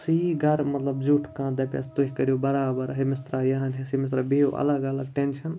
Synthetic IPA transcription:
siɡʱɐɾmɐt̪lɐbzuːʈʰkãːd̪ɐːpʲa̰ːst̪uɦʲikɐɾijobɐɾaːbɐɾɦemɪst̪ɾaːjɐɦãnɦẽsimɪs̬t̪ɾabijoʔɐ̰lɐɡɐlɐɡ̚ʈenʃʰɐn

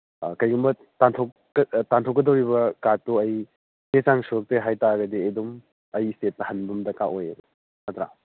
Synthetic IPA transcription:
kɐjɡumbɐ | tantʰokː | tantʰokːɐdɐwɾibɐkatːuɐj | tet͡ʃaŋsuɾɐk̚teɦajtaɡɐdiedum | ɐjistet̚ːɐhɐnbumdɐkaʔojḛɡ | nɐtɾa̰

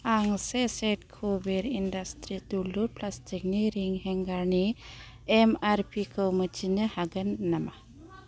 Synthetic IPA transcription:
aŋseseʈ̚kʰubeɾinɖastɾid̪uluɾplastikniɾiŋɦɛŋɡaɾni | ɛmaɾpikəwmət͡ʃinəhaɡənːɐma

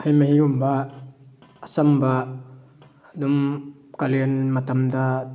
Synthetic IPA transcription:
hɐjmɐɦiɡumbaː | samba | dum | kaliənmat̪amda

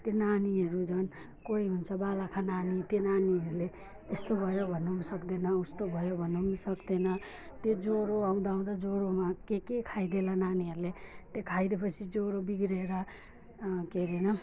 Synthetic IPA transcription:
t̪jenaniɦʌɾud͡zʌn | koiɦunt͡sʰʌbalakʰananit̪jenaniɦʌɾule | est̪obʱʌjobʱʌnːumsʌkd̪enʌust̪obʱʌjobʱʌnːumsʌkd̪enʌ | t̪jod͡zoɾoaũd̪aũd̪ad͡zoɾomakekekʰajd̪elananiɦʌɾulet̪ekʰajd̪epʌt͡sʰid͡zoɾobiɡɾeɾʌ | keɾenʌ

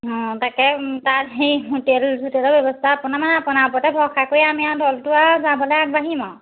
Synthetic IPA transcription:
ɦɔ̃takɛtaɹɦejɦutelzʱutelɔbjɔbɔstʰaːpʊnamanɛapʊnaɔpɔtɛbʱɔɹxʰakoɹjamiadʱɔltʊazabɔlɛjak̚baɦimɔ̃

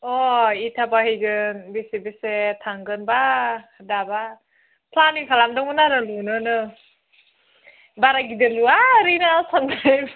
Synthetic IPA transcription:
ɔitʰabahɯjɡɯnbisebesetʰaŋɡɯnbadaba | pʰlaniŋkʰalamdɔŋɯnaɾɯlunɯnɯ | baɾaɡidɯluaɾinasandaj

